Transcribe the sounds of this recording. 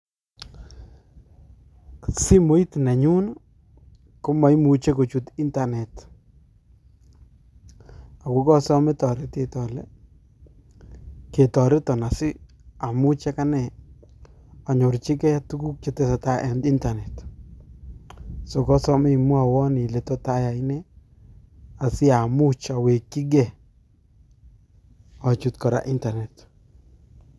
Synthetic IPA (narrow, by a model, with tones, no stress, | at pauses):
si˦mo˦i˦tna˨ɲu˦n | ko˦ma˨i˦mu˨t͡ʃe˦ko˨t͡ʃu˨ti˦nta˨nɛ˨t | a˨ku˦kɔ˦sɔ˦me˦tɔ˨ɾe˦te˨tɔ˨lɛ˦ | ke˨tɔ˨ɾɛ˦tɔ˨na˨sɪ˦ | a˨mu˦t͡ʃɛ˦ka˦nɛ˨ | a˨ɲo˨ɾt͡ʃɪ˦kɛ˦a˦tu˦ku˦k̚t͡ʃe˨tɛ˦sa˨ta˦ʔɛ˨ndɪ˦nta˨nɛ˨t | so˨kɔ˦sɔ˦mɪ˦˨mʊ˦a˨wɔ˦ni˨lɛ˨tɔ˦ta˦ja˨ɪ˦nɛ˦ | a˨sɪ˦a˨mu˦t͡ʃa˨we˨kːɪ˦ɡɛ˨ | ɔ˨t͡ʃu˨tkɔ˨ɾa̰˨ʔɪ˦nta˨nɛ˨t